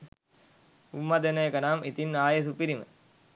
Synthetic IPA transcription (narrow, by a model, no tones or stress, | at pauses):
umːad̪enejkənaːmʔit̪inːaːjes̬upiɾimə̰